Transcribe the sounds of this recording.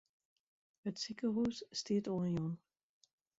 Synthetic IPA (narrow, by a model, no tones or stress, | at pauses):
ətsikəɦuːsːtɪətoːənjɔn